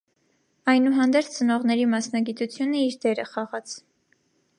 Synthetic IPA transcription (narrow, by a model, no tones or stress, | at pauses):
ɑjnuɦɑnd̪ɛɾt͡sʰt͡sənɔʁnɛɾimɑsnɑɡit̪ut͡sʰjunəiɾd̪ɛɾəχɑʁɑt͡sʰ